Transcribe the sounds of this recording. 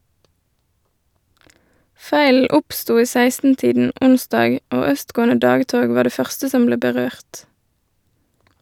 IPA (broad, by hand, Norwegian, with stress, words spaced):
ˈfæɪl̩ ˈʊpˌstuː ˈiː ˈsæɪstn̩ˌtiːdn̩ ˈʔʊnˌsdɑːɡ ˈoː ˈœstˌɡoːənə ˈdɑːɡˌtoːɡ ˈʋɑː ˈɖeː ˈfœʁstə ˈsɔm ˈbleː bəˈʁøːʁt